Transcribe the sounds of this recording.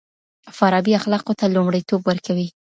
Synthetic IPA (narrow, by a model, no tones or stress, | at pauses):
faɾɑbiaxlɑqot̪alʊmɽəjt̪obwəɾkawi